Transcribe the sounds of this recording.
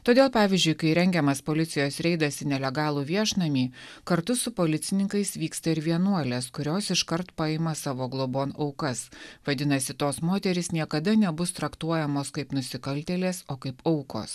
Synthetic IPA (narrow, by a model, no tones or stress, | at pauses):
t̪oːd̪ʲeːlˠpɑːʋʲɪzʲd͡ʒʲʊɪkɐɪɾʲɛŋʲɡʲɛmɐspoːlʲɪt̪sʲɪjoːsɾʲɛɪd̪ɐsʲɪnʲɛlʲɛɡɑːlˠuːʋʲiɛʃnɐmʲiː | kɐɾt̪ʊsʊpoːlʲɪt̪sʲɪnʲɪŋkɐɪsʋʲiːkst̪ɐɪɾʋʲiɛnuɔlʲeːskʊɾʲoːsɪʃkɐɾt̪pɑɪmɐsɑːʋoːɡlˠoːboːnɐʊkɐsʋɐd̪ʲɪnɐsʲɪt̪oːsmoːt̪ʲɛɾʲɪsnʲiɛkɐd̪ɐnʲɛbʊst̪ɾɐkt̪uɔjɛmoːskɐɪpnʊsʲɪkɐlʲt̪ʲɛlʲeːsoːkɐɪpɐʊko̰ːs